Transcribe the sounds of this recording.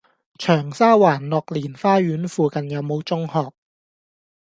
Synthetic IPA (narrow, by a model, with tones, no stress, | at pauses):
t͡ʃʰœː˨˩ŋsaː˥waː˨˩nlɔː˨k̚liː˨˩nfaː˥ɥyː˨˥nfuː˨kɐ˨njɐ˨˧wmo˨˧wt͡sʊ˥ŋhɔː˨k̚